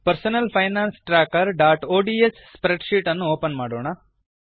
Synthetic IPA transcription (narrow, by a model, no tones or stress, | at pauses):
pɐɾsɐnɐlpʰɐjnaːnsʈɾaːkɐɾɖaːʈoːɖiːesːpɾeɖʃiːʈɐnːuoːpɐnmaːɽoːɳɐ